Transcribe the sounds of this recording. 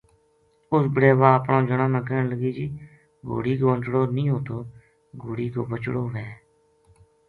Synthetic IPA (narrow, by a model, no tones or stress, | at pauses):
ʊsbəɽeːʋaːəpɳãːd͡ʒəɽãːmɛ̃ːkəːɳləɡiːd͡ʒiː | ɡo̰ːɽiːkoːənt͡ʃɽoːnĩːɦoːt̪oː | ɡoːɽiːɡoːbət͡ʃɽoːʋɛː